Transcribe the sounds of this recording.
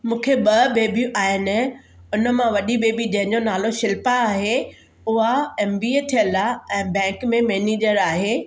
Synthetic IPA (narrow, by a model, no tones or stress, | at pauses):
mũːkʰeɓɐɓeːbʱũʔaːɦɪnɪ̆ | ʊnə̆mãʋɐɗiɓeːbid͡ʑɐ̃ɦɪ̃ɲd͡ʑonaːloʃɪlpaːɦe | ʊɦaeːmbiːet̪ʰijəlaɛ̃ːbɛ̃ːŋkmẽmeːneːd͡ʑəɾaːɦeː